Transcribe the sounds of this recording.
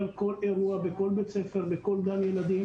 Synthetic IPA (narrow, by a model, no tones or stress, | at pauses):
alko̞le̞ʁuabeko̞lbet͡sefe̞ʁbeko̞ld̪amjelad̪im